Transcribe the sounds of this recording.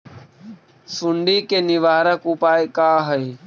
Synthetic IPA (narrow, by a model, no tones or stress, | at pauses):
suɳɖiːkeːnɪʋaːɾakuːpaːekaːɦəeː